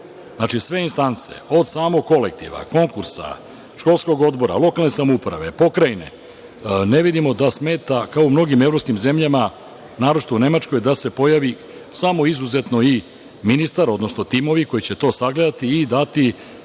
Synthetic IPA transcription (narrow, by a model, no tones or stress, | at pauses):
znat͡ʃisʋe̞inst̪ant̪se̞̰o̞d̪saːmoɡkːo̞lek̚t̪ḭʋa̰ko̞ŋkuɾsa̰ | ʃko̞lˠsko̞ɡo̞d̪bo̞ɾa̰lˠo̞kalˠne̞samoupɾa̰ʋe̞po̞kɾajne̞̰ | ne̞ʋid̪imo̞d̪asme̞ːt̪akaoumno̞ɡimevɾopskimze̞mʎama | naːɾo̞t͡ʃi̥t̪oune̞mat͡ʃko̞jd̪ase̞po̞jaʋi | samo̞izuze̞t̪no̞i | minist̪aɾo̞d̪no̞sno̞t̪imo̞ʋiko̞jit͡ɕe̞t̪o̞saɡle̞d̪at̪iːd̪at̪i